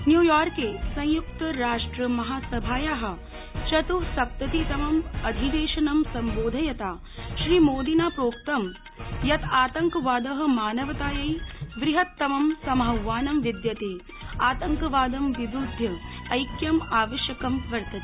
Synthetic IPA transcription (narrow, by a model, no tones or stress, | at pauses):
njuːjaːɾkeːsɐ̃j̃juk̚t̪ɐɾaːʂʈɾɐmɐɦaːsɐbʱaːjaːɦɐ̆ | t͡ʃɐt̪usɐp̚t̪ɐt̪it̪ɐmɐmɐd̪ʱid̪eːʃɐnɐmsɐmboːd̪ʱɐjɐt̪aː | ʃɾiːmoːd̪inaːpɾoːk̚t̪ɐm | jɐt̪ʰaːt̪ɐŋkɐʋaːd̪ɐɦɐ̆maːnɐʋɐt̪aːjɐjʋɾɪɦɐt̪ːɐmɐmsɐmɦɐwʋaːnɐmʋid̪jɐt̪eː | aːt̪ɐŋkɐʋaːd̪ɐmʋid̪ud̪ʱjɐ | ɐjkjɐmaːʋɐʃjɐkɐmʋɐɾt̪ɐt̪i̥